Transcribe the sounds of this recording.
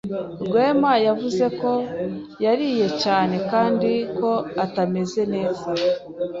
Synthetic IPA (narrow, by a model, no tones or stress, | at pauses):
bɡwe̞ːmajavuze̞ko̞ | jaɾiːje̞caːne̞kaːndiko̞atame̞ze̞ne̞ːza